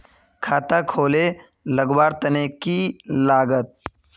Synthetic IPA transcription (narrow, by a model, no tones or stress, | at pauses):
kʰaːt̪akʰoːle | ləɡwaːɾt̪ɐneːkilaːɡət̪̚